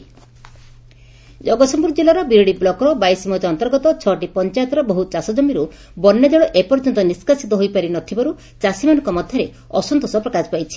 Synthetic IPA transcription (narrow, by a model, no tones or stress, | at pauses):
d͡ʒɔɡɔsɔmpuɾɔd͡ʒilaɾɔbiɾɔɽiblɔkɔɾɔbajsimɔd͡ʒɔnt̪ɔɾɡɔt̪ɔt͡ʃʰɔʈipɔnt͡ʃajt̪ɾɔbɔɦut͡ʃasɔd͡ʒɔmiɾu | bɔnːad͡ʒɔɽɔʔepɔɾd͡ʒɔnt̪ɔniskasit̪ɔɦojpaɾinɔt̪ʰibɔɾu | t͡ʃasimanɔŋkɔmɔd̪ʱjɔɾe | ɔsɔnt̪ɔsɔpɾɔkaspajt͡ʃʰi̥